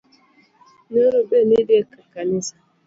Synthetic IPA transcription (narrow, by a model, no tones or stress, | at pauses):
noɾobenidɪekakanɪsa